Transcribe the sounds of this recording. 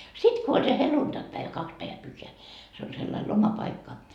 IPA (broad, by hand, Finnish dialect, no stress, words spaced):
sit ko olʲ se heluntɑkpæeʋæ kɑks pæeʋæ pyhːeæ se ol selːɑil lomɑpɑikːɑ